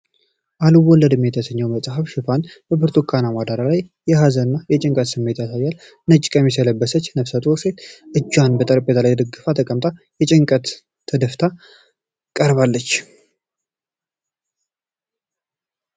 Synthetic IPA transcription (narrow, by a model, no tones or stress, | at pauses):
ʔaluwɔlːəd̪ɨmjɛt̪ʰəsəɲːəwməsʼaɦafʃɪfanbəbɨɾt̪ʰokʰanamad̪aɾalajːɛɦazənːajɛt͡ʃʼɪŋkʼət̪sɨmːe̞t̪jasajːal | nət͡ʃʼkʼəmisələbːəsət͡ʃːnəfsat̪ʼoɾse̞t̪ʔɨd͡ʒːwanbət̪ʼəɾpʼːet̪ʰalajd̪əɡɨfat̪ʰəkʼəmt̪ʼa | jɛt͡ʃʼɪŋkʼət̪ʰː | əd̪əft̪ʰa | kʼəɾβalːət͡ʃː